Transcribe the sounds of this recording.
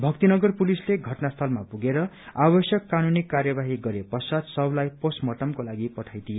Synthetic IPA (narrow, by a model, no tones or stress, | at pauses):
bʱʌk̚t̪inʌɡʌrpulisleɡʱʌʈnast̪ʰʌlmapuɡeɾʌ | abʌsjʌkːanunikarjʌbaɦiɡʌɾepʌsʌd̪sʌblajposmʌʈʌmkolaɡipʌʈʰajd̪ije